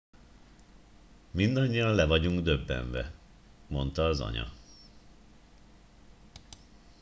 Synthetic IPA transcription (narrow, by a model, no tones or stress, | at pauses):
mind̪ɒɲːijɒnlɛvɒɟuŋɡd̪øbːɛ̰ɱvɛ | mo̞n̪t̪ɒːzɒ̰ɲɒ̰